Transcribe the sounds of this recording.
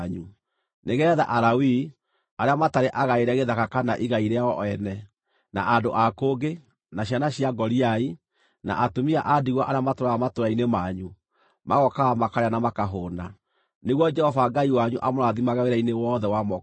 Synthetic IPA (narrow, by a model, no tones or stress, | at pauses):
ɲu | neɣɛːða̰ʔaɾawi | aɾeamataɾeʔaɣaeɾɛɣeðakakanaʔiɣaiɾeaɔɔɛnɛ | naʔadoʔakoɡe | naɕjanaɕiaɡɔɾiai | na̰ʔatomiaʔadiɣwaʔaɾeamatoɾaamatoɾainemaɲu | maɣɔkaamakaɾeanamakaɦona | neɣwɔd͡ʒɛhɔvaɡaiwaɲuʔamoɾaðimaɣaweɾainewɔːðɛwamɔ